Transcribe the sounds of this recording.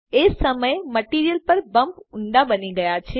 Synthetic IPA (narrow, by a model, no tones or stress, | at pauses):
esəməjməʈiɾijəlpəɾbəmpʊɳɖabəniɡəjat͡ʃʰe